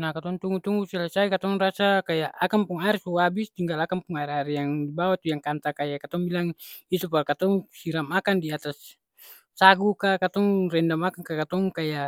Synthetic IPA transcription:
nakat̪ɔŋt̪uŋɡut̪uŋɡusilasaikat̪ɔŋrasakajaʔakampuŋaɛrsuabist̪iŋɡalakampuŋaɛraɾjaŋdibawat̪ujaŋkant̪akajakat̪ɔŋbilaŋit̪upaɾkat̪ɔŋsiɾamakandiat̪asː | aɡukakat̪ɔŋrɛndamakaŋkakat̪ɔŋkaja

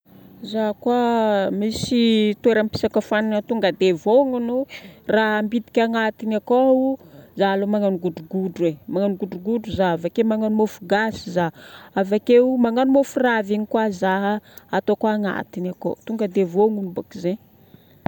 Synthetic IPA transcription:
zaɦkwamisit̪ueɾəmpi̥sakafaninət̪uŋɡəd̪evoŋunuraɦmbid̪i̥kʲaŋat̪inakouzalomaŋanuɡuɖ͡ʐuɡuɖ͡ʐwemaŋanuɡuɖ͡ʐuɡuɖ͡ʐuzaavakewmaŋanumofuɡasizaavakewmaŋanumofuraviɲikwazaɦaat̪okaːŋa̰t̪inako̰t̪uŋɡəd̪evoŋunubakizeɲ

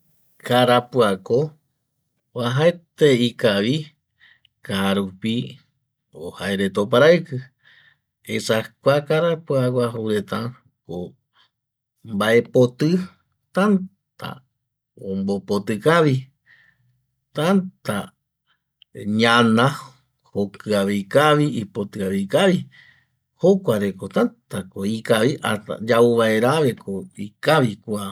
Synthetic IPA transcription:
kaɾapɨako | waɦaet̪eikaʋi | kaɾupi | ohaeɾet̪op̬aɾaɨkɨ | esakʷakaɾapuakʷaɦowɾet̪ã | ko | mbaʔe̞po̞t̪ɨ | t̪an | t̪a̰ | õmbopot̪ɨkaβi | t̪ant̪a | ɲãnã | hokɨaβejkaβiipot̪ɨaβikaʋi | hokʷaɾeko̞t̪ant̪akoikaβiʔa̰t̪a̰d͡ʒauβaeɾaβe̞kʰoikaβikʷa

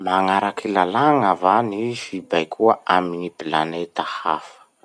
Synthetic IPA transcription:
maŋaɾakilalaŋavanifibajkʰuəʔaminipila̰net̪aha̰fə̥

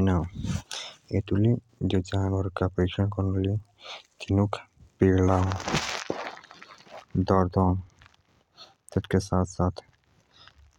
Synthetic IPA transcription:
naw | et̪uli | d͡ʒod͡ʒaːnəɾkapəɾikt͡ʃənkɔɾnuli | t̪ʰinukʰpiɾla | d̪ɔɾd̪ɔːn | t̪ət̪kesaːt̪ʰsaːt̪ʰ

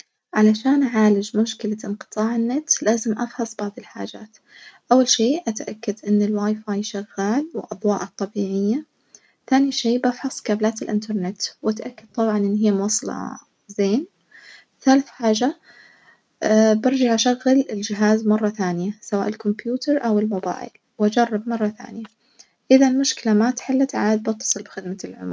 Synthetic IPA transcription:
ʕalaʃaːnʔaʕaːlɪd͡ʒmʊʃkɪlaʔɪnqɨ̥t̪ˤɑːʕɪnːɪt̪laːzɪmʔɑfħɑsˤb̥ɑʕðˤɪlħa̰ːd͡ʒaːt̪ | ʔawːalʃeːʔat̪ʔakːad̪ʔɪnːɪlwaːjfaːjʃaɣːaːlwɪ̰lʔɑðˤwɑːʔɑt̪ˤːɑbiːʕɪjːa | θaːniʃeːbafħɑsˤkaːblaːt̪ɪlʔɪ̰nt̪ɑɾˤnɪt̪wʔat̪ʔakːad̪̚t̪ˤɑbʕɑnʔɪnːɦijːamwɑsˤɑlɑ̰ | zeːn | ɪθaːlɪθħaːʒa | bɪɾd͡ʒaʕʔaʃaɣːalɪld͡ʒɪɦaːzmɑrˤːɑθaːnɪjasawaːʔɪlkʊmpjuːt̪ɑɾˤʔawɪlmʊba̰ːʔɪ̰l | wʔad͡ʒɑrˤːɑb̚mɑrˤːɑθa̰ːnɪja | ʔɪðalmʊʃkɪlamat̪ħɪlːat̪ʕaːd̪̚bɑt̪ːɑ̥sˤɨlbɪxɪd̪malʕʊ̰m

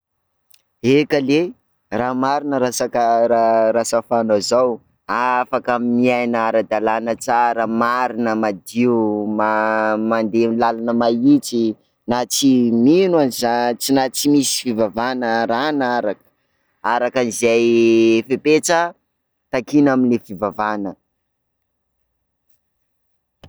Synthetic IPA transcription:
ekəle | ramaɾinəɾasakəɾaɾasəfanazaw | afakamimiajnaɾad̪alanət͡saɾamaɾinəmad̪iumamand̪emlalanəmait͡si | nat͡siminwanizat͡sinat͡simisi̥fivavanəɾanaɾakə̥ | aɾakanizejfepet͡sə | t̪akinaminlefivavanə

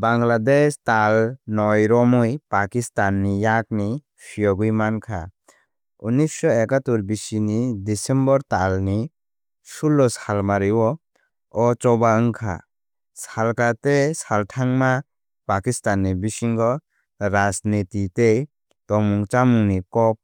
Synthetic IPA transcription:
baŋladestalnɔjɾɔmɯjpakistanːijak̚ni | pʰiɔɡujmankʰa̰ | unisɔekatuɾbisinidisɛmbɔɾtalni | sulːɔsalmaɾiwɔ | ɔt͡ʃɔbaɯŋkʰa̰ | salkatesaltʰaŋma | pakistanːibisiŋɡɔ | ɾasnititej | tɔŋmuŋt͡ʃamuŋnikɔp̚

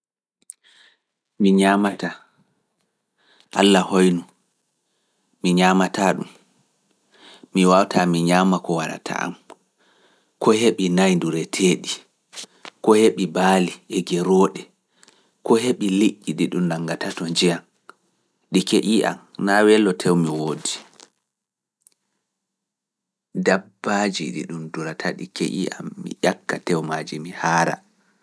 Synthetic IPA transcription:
miɲamata | ʔalːahojnu | miɲaːmataɗum | iwawtamiɲaːmakɔwaɾa̰tʰa̰ʔa̰m | kɔheɓinajnduɾɛtʰeːɗi | kɔheɓibaːliɛɡɛɾɔːɗɛ | kɔɦeɓiliʔʲːiɗiɗumnaŋɡatatɔɲd͡ʒijan | ɗikeʔiʔa̰mnawɛlːɔtʰɛwmiwoːdi | dabːad͡ʒiɗḭɗumduɾatʰaɗḭkḛʔḭʔa̰mːḭʔakːatɛwmad͡ʒimihaːɾa̰

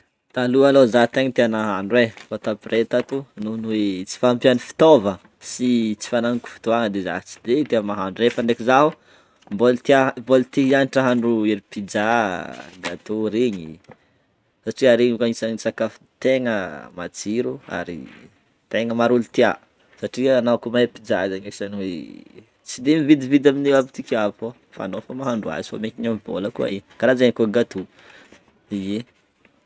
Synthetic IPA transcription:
t̪alualozat̪eŋət̪eanaɦanɖ͡ʐuwefot̪apiɾet̪at̪ununuet͡si̥faampjanifi̥t̪ovə | sit͡si̥fanaŋiku̥fi̥t̪oaŋəd̪eza̰t͡si̥d̪et̪eəmaɦanɖ͡ʐuɾefənɖ͡ʐekizaɦu | mbolit̪iabolit̪iɦianiʈ͡ʂaɦaɳɖ͡ʐuiɾipid͡za | ɡat̪uɾiɲi | saʈ͡ʂiaɾeɲukaɲisaɲisakafu̥t̪eŋəmat͡siɾua̰ɾḭ | t̪eŋəmaɾulut̪ia | saʈ͡ʂianaakumapid͡zazaɲezaniwe | t͡sid̪emivid̪ivid̪aminewabit̪ikʲavo | fa̰nofamaɦaɳɖ͡ʐua̰zo̰mekiɲamvo̰ləkua̰ikaɾazaɲikʲoɡat̪u | ie

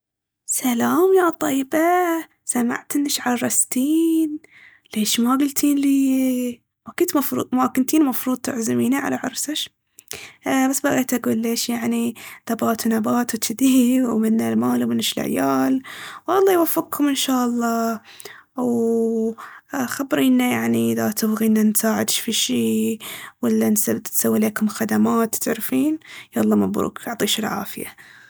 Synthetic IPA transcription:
salaːmjat̪ˤɑjːba | sama̰ʕt̪ɪnːɪʃʕɑlrˤɑst̪iːn | leːʃmaɡʊlt̪ʰiːnliː | makʊnt̪mɑfɾṵːd̪ˤmakʊnt̪iːnmɑfɾuːd̪̚ˤt̪ʊʕzɪmiːniʕa̰laʕʊ̰ɾˤsaʃ | basːbaɣeːt̪ʔaɡuːlːeːʃjaʕniðabaːt̪wnabaːt̪wt̪ʰɪd̪iwmɪnːalmaːlwmɪnɪʃɪlʕa̰jaːlwʔɑlˤːɑːjwafːɪqkʰʊmɪnʃaːʔɑlˤːɑː | w | xabːɾiːnːajaʕniʔɪðat̪ʊbɣiːnːansaːʕɪd̪ʃfiːʃiːwalːansat̪sawːileːkʊmxad̪amaːt̪t̪ɪʕɾfiːnjalˤːɑːmabɾṵːkʔɑʕt̪ˤiːʃɪlʕa̰ːfɪja̰

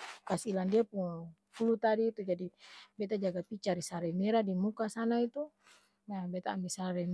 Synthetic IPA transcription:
kasilandiapuŋ | pulut̪adiːt̪ud͡ʒadibɛt̪ad͡ʒaɡapit͡ʃaɾisaɾɛmɛɾadimukasanait̪u | nabɛt̪aːnbisaɾɛ

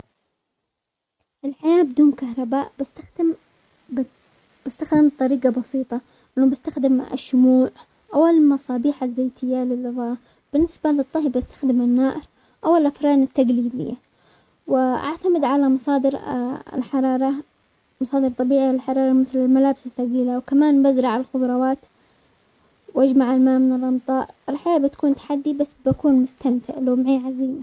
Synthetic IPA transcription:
ʔɪlħajaːbɪd̪uːnkaɦɾˤɑbaːʔbɪst̪a | b̥ɪst̪axd̪ɪmt̪ˤɑɾiːɡɑbɑsiːt̪ˤɑ | nːuːmbɪst̪axd̪ɪmɪ̰ʃːʊmuːʕ | ʔawalmɑsˤɑːbiːħazːeːt̪ɪjːalɪlːʊɣɑː | b̥ɪnːɪsbalɨt̪ˤːɑɦibbɪst̪ḁxd̪ɪmanːaːʔɪɾ | ʔawɪlʔafɾɑːnɪt̪ːaɡliːd̪ɪ̰jːa | wɪʔa̰ʕt̪amɪd̪ʕalamɑsˤɑːd̪ɪɾɪ̰lħɑɾˤɑːɾˤɑ | mɑsˤɑːd̪ɨɾt̪ˤɑbiːʕialɪlħɑɾˤɑːɾˤɑmɪθlɪlmalaːbsaθːaɣiːlawkamaːnbazɾɑʕɪlxʊd̪ˤɾˤɑwɑːt̪ | wʔad͡ʒmaʕalmaːmɪnɪlʔɑmt̪ˤɑːɾˤʔɪlħajaːbɪt̪ḁkuːnt̪ḁħad̪ːibasːbakuːnmʊst̪amt̪ɪ̰ʕloːmʕiːʕaziːm

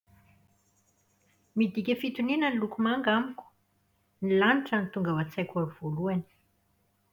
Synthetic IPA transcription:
mid̪ikʲəfit̪uninənilukumaŋɡamikʲu̥ | nilanʈ͡ʂənit̪uŋɡavat͡sajkʲaɾuv̥oluani̥

